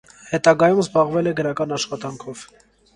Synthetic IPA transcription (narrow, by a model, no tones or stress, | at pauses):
hɛt̪ɑɡɑjumzbɑʁvɛlɛɡəɾɑkɑnɑʃχɑt̪ɑŋkʰɔv̥